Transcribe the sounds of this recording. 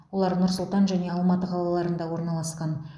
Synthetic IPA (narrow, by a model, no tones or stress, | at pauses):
wo̞lˠɑɾnʊɾsʊlˠt̪ɑnʒæne̞ɑlˠmɑt̪əqʰɑlˠɑlˠɑɾənd̪ɑwo̞ɾnɑlˠɑsqɑn